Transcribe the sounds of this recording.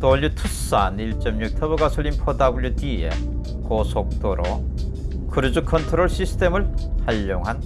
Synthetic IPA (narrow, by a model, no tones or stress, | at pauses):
toʎːutʰus͈aniɭt͡ɕ͈ʌmɲuk̚tʰʌbɯɡasʰʌɭːinpʰodabɯɭjutiḛ | kosʰok̚t͈oɾʔo | kɯɾud͡ʑukʰʌntʰoɾoɭɕʰisʰɯ̥tʰe̞mɯɭhaʎːoŋɦan